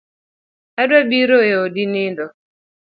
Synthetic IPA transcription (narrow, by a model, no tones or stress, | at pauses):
ɛdɛbiɾoeodinɪndɔ